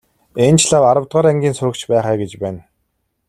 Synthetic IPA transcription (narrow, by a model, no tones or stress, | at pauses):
ent͡ɕɮaːwaɾə̆wt̪ʁaːɾæŋɡʲiːnsʊɾɵ̆kt͡ɕpæːχæːɡet͡ɕpæːn